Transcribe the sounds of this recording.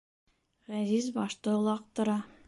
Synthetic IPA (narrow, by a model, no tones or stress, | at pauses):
ʁæzizbɒʃt̪ɤŏlˠɑq̚t̪ŏɾɑ